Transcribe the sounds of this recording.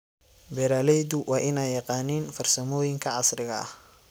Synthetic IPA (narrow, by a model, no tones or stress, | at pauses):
bɛɾaːlɛjd̪ʊwʔɑːʔɪnɛjjːɑqɑːniːnfɐrsɐmɔːjɪŋkʰɐʕɑsrɪɣɐɐ̰h